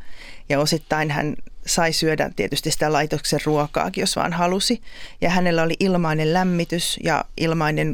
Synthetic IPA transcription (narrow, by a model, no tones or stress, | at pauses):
jɑosit̪ːɑinhæ̰nsɑisyødæ̰t̪iet̪yst̪isi̥t̪ælɑit̪okserruɔkɑ̰ːkijosʋɑ̰ːnhɑlusijɑhænelːæoliʔilmɑinellæmːit̪ysjɑ̰ʔilmɑinen